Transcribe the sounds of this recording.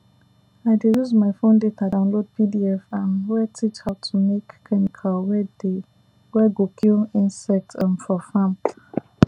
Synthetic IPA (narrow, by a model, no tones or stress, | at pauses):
aɪdejuzmaɪfõndetʰadãʊ̃nlod̚pidiɛfãnwɛtʰit͡ʃhaʊtʰumekːʰɛnikʰalwɛde | wɛɡokʰilĩnsɛk̚tʰə̃nfɔfãm